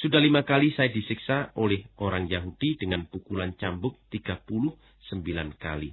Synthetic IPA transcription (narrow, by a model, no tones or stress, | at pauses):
sudahlimakalisajadisiksaʔolɛhoɾaŋjaɦud̥idəŋanpukulant͡ʃambʊk̚t̪iɡapulʊh | səmbilanka̰li